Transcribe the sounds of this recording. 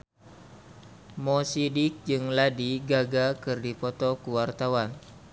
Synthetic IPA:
mɔsidɪk̚d͡ʒɨŋladiɡaɡakɨrdipɔt̪ɔkuwart̪awan

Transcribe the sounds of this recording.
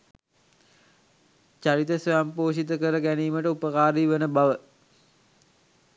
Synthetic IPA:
t͡ʃaɾit̪əsojampoːʃit̪əkəɾəɡæniːməʈəupəkaːɾiːʋənəbaʋə

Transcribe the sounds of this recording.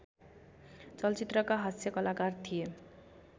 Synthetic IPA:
t͡sʌlt͡sit̪rʌkaɦʌsjʌkʌlakart̪ʰije

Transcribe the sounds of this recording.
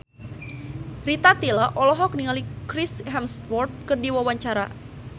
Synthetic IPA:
rit̪at̪ilaʔɔlɔɦɔk̚niŋalikɾisɦɛmst̪wɔrt̪̚kərdiwawaɲt͡ʃaɾa

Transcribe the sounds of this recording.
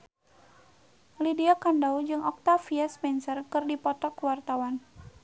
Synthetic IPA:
lidiakandaud͡ʒɨŋɔk̚t̪afiaspɛnsərkɨrdipɔt̪ɔkwart̪awan

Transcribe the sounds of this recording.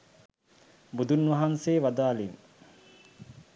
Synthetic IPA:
bud̪unʋaɦanseːʋad̪aːlin

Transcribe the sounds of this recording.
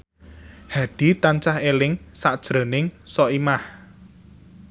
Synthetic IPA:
haɖ̥i̤t̪aɲt͡ʃahelɪŋsaʔd̥ʒ̥ɾə̤nɪŋsɔʔimah

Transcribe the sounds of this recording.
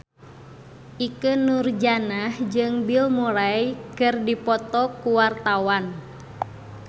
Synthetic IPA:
ʔikənurd͡ʒanahd͡ʒɨŋbilmuɾaikɨrdipɔt̪ɔkuwart̪awan

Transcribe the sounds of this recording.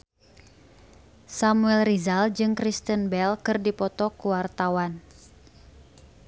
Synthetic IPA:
samuɛlrizald͡ʒɨŋkɾist̪ənbɛlkɨrdipɔt̪ɔkuwart̪awan

